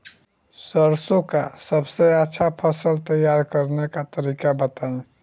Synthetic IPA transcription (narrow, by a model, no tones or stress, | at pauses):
səɾsõkasəbseətːʃʰapʰəsəlt̪əjaɾkəɾnekat̪əɾikabət̪aẽ